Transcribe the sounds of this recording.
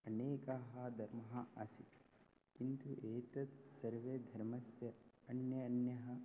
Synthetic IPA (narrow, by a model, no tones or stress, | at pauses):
ɐneːkaɦɐd̪ʱɐɾmɐɦɐɐsi | kint̪uʔeːt̪ɐt̪sɐɾʋed̪ʱɐɾmɐsjɐɐnjɐːnjɐɦɐ